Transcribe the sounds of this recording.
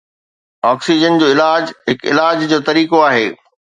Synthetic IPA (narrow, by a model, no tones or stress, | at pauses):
ɔːksid͡ʑənd͡ʑoːɪlaːd͡ʑɦɪkɪlaːd͡ʑd͡ʑoːt̪ɐɾiːkoaːɦeː